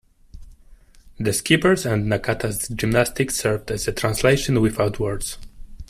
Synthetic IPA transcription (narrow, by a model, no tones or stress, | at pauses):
ðəskipəɹzæ̃ndnakʰat̪ʰasd͡ʒɪ̃mnast̪ɪksɜɹvdæzətʰɹãnsleɪʃɔ̃nwɪθaʊtʰwəɹdz̥